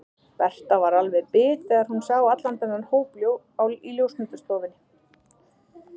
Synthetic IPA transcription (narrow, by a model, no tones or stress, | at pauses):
vɛr̥t̪avaɾalvɛðpɪːt̪ɪaɾ̥hunsawat̪lant̪ananhoːwpljow | awliljowsnmʏnt̪ʏ̥st̪ɔːvɪnːɪ